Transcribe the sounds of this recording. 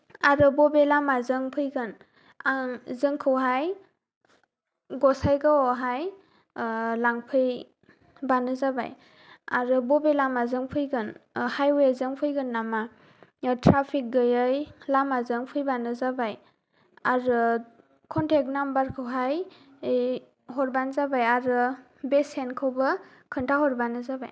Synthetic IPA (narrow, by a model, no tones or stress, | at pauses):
aɾɯbɔbelamazɯŋpʰɯjɡɯn | aŋzɯŋkʰɯwɦaj | ɡɔsajɡɯɔɦaj | laŋpʰɯj | banɯzaba̰j | aɾɯbɔbelamazɯŋpʰɯjɡɯnhajwezɯŋpʰɯjɡɯnːama | tʰɾapʰik̚ɡɯjɯjlamazɯŋpʰɯjbanɯzabaj | aɾɯ | kʰɔntʰek̚nambaɾkʰɯwɦaj | ɦɔɾbanzabajaɾɯ | besenkʰɯwbɯ | kʰɯntʰahɔɾbanɯzaba̰j